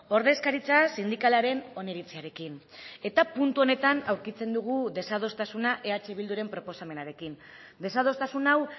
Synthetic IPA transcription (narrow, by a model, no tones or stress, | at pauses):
o̞ɾðe̞skaɾit͡sasind̪ikalaɾe̞no̞neɾit͡siaɾe̞kin | e̞t̪apunt̪uo̞ne̞t̪anawɾkit͡se̞nd̪uɣ̞uðe̞sað̞o̞st̪asunaʔe̞at͡ʃe̞β̞ild̪uɾe̞mpɾo̞po̞same̞naɾe̞kin | d̪e̞sað̞o̞st̪asunaw